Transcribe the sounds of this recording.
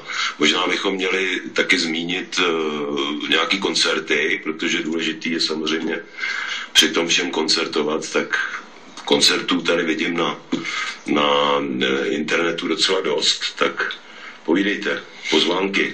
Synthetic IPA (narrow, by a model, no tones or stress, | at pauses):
mo̞ʒnaːbɪxo̞mːɲɛlɪt̪akɪzmiːɲɪt̪ | ɲɛakiːko̞nt͡sɛɾt̪ɪpɾo̞t̪o̞ʒɛduːlɛʒɪt̪iːjɛsamozr̝ɛjmɲɛ | pr̝̥ɪt̪o̞mfʃɛmko̞nt͡sɛɾt̪o̞vat̪t̪ak | ko̞nt͡sɛɾt̪uːt̪adɪvɪɟɪmna | na | ʔɪ̰nt̪ɛɾnɛt̪udo̞t̪t͡sɛlado̞st̪ːak | po̞viːdɛjt̪ɛ | po̞zvaːŋkɪ